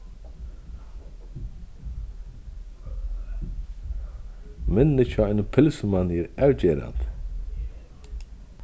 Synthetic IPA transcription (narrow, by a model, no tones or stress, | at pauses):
mɪnːɪʃaajnpʰɪlsəmanːɛɾæwceːɾa̰nt̪